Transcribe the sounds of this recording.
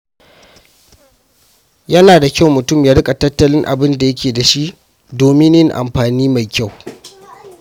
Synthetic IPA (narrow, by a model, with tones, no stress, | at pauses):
jɐ˦naː˨da˨kʲa˦wmʊ˨tʊ˦˨mjaː˦ɽɪ˦kʼa˨tɐ˦tːɐ˦lɪ˦ŋʔa̰˨bɪ˦nda˨jɐ˦kʲeː˨da˨ʃi˦ʔ | doː˨mɪ˦njɪ˦ŋʔa̰˨mɸaː˨niː˦ma˨jkʲa˦˨w